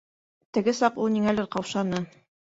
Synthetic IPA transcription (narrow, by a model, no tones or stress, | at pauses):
t̪ɘ̆ɡɘsɑqulˠniŋælɘɾqɑwʃɑnɤ